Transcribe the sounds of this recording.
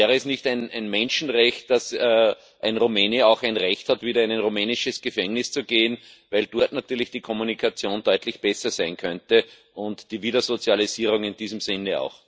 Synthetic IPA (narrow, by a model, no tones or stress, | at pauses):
ɛːʁəɛsnɪçtæɪnæɪnmɛ̃nʃn̩ʁɛçt̚d̥asɛː | ʔæɪnʁumeːniɑʊxæɪnʁɛçthatviːɾɐɪnæɪnʁumɛːnɪʃəsɡ̥əfɛŋnɪst͡suɡeːən | væɪld̥ɔɐtnatyːɐlɪçd̥iːkʰɔmunikʰat͡sjoːnd̥ɔʏtlɪçb̥ɛsɐsæɪnkʰœntə | ʊ̃ntd̥iːviːdɐzot͡sjaliziːʁʊŋɪnd̥iːzəmsɪnːəa̰ʊx